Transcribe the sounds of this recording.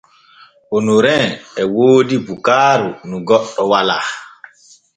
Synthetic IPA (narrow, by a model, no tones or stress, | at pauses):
ʔonuɾɛnɛwoːdibukaːɾunuɡɔɗːɔwala̰